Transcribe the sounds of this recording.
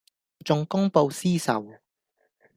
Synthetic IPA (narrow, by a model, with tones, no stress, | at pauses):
t͡sʊ˧ŋkʊ˥ŋpo˧wsiː˥sɐ̰˨w